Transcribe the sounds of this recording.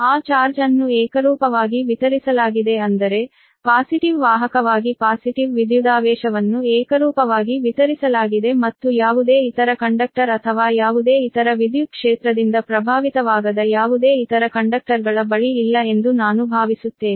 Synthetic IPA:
aːt͡ʃaːɾd͡ʒɐnːuɛːkɐɾuːpɐʋaːɡiʋit̪ɐɾisɐlaːɡid̪e̞ɐnd̪ɐɾe̞ | paːsiʈiʋʋaːɦɐkɐʋaːɡipaːsiʈiʋːid̪jud̪aːʋɛːʃɐʋɐnːuɛːkɐɾuːpɐʋaːɡiʋit̪ɐɾisɐlaːɡid̪e̞mɐt̪ːujaːʋud̪e̞ːit̪ɐɾɐkɐɳɖɐk̚ʈɐɾɐt̪ʰɐʋaːjaːʋud̪eːit̪ɐɾɐʋid̪jukʂeːt̪ɾɐd̪ind̪ɐpɾɐbʱaːʋit̪ɐʋaːɡɐd̪ɐjaːʋud̪eːit̪ɐɾɐkɐɳɖɐk̚ʈɐɾɡɐɭɐbɐɭiːlːɐe̞nd̪unaːnubʱaːʋisut̪ːe̞ːni

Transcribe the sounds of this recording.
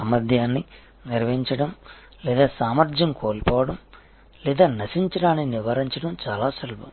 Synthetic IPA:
ɐmɐd̪ʱjaːnːi | nniɾʋiɲt͡ʃɐɽɐm | lɛːd̪aːsaːmɐɾd͡ʒ̪jɐmkoːlipɔːʋɐɽɐm | lɛːd̪aːnɐsiɲt͡ʃɐɽaːniniʋaːɾiɲt͡ʃɐɽɐmt͡ʃaːlaːsɐlbɐ̰m

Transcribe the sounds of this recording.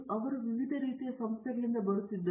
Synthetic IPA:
ɐʋɐɾuʋiʋid̪ʱɐɾiːt̪ijɐsɐmst̪ːɐɡɐɭind̪ɐbɐɾut̪ːid̪ːɐ

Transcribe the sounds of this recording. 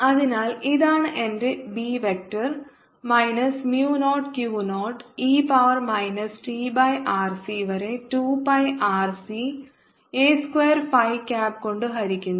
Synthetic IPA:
ɐðinaːliðaːɳɨʔe̞ndebiːʋek̚ʈɐr | mɐjnɐsmjuːnoːʈkjuːnoːʈiːpɐʋɐrmɐjnɐsʈiːbɐjʔaːrsiʋɐɾe̞tuːpɐjʔaːrsi | eːskweːɐrfɐjkʲaːpko̞ɳɖɨɦɐɾikʲːunːɐ

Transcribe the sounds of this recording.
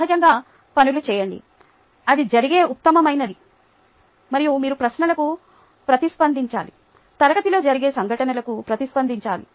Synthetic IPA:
ɦɐd͡ʒɐŋɡaː | pɐnulut͡ʃɛːjɐɳɖḭ | ɐd̪id͡ʒɐɾiɡe̞ːʔut̪ːɐmɐmɐjnɐd̪i | mɐɾijumiːɾupɾɐsnɐlɐku | pɾɐt̪ispɐnd̪iɲt͡ʃaːli | t̪ɐɾɐɡɐt̪ilo̞ːd͡ʒɐɾiɡe̞ːsɐŋɡʱɐʈɐnɐlɐkupɾɐt̪ispɐnd̪iɲt͡ʃaːlḭ

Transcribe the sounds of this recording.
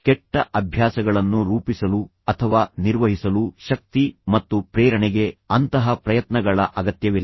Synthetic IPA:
kɛʈːɐʔɐbʱjaːsɐɡɐɭɐnːuɾuːpisɐlu | ɐt̪ʰɐʋaːniɾʋɐɦisɐluʃɐk̚t̪imɐt̪ːupɾeːɾɐɳɛɡe̞ɐnt̪ɐɦɐpɾɐjɐt̪nɐɡɐɭɐʔɐɡɐt̪jɐʋil

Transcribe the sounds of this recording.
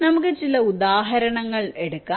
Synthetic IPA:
nɐmukːɨt͡ɕilɐud̪aːɦɐɾɐɳɐŋːɐɭe̞ɽukːaː

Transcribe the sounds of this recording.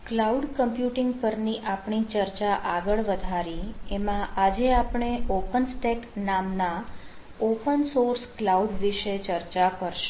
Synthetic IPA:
klauɖkəmpjuʈɪŋɡpəɾniʔapɳit͡ʃəɾt͡ʃaʔaɡəɭʋəd̪ʱaɾiemãʔad͡ʒeapɳ̃eʔopənsʈeknamna | opənsoɾsklauɖʋiʃet͡ʃəɾt͡ʃakəɾʃe̥

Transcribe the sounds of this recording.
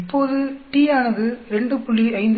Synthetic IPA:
ɪpːoːðɯʈiːaːnɐðɯɾɛɳɖɯpʊɭːiɐɪnd̪

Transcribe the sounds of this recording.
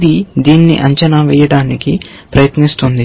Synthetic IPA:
d̪id̪iːnːḭʔɐɲt͡ʃɐnaʋɛːjɐɽaːniki | pɾɐjɐt̪nist̪und̪i

